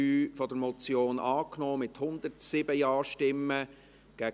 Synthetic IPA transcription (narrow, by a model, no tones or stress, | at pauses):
yːfɔd̥əɾmɔt͡sjoːnʔɑːknɔːmɪt̪hʊnd̪əɾtsɪbəjɑːʃtɪmːə | ɡ̥æ